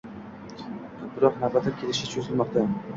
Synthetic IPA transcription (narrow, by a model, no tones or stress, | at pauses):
bɪɾɒqnabat̪ʰakʲʰelɪʃɪt͡ʃʰozɪlˠmɒq̚t̪a